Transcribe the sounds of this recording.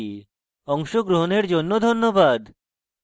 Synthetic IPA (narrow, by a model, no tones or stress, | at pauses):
ɔŋʃoɡɾoɦoneɾd͡ʑonːod̪ʱonːobad̪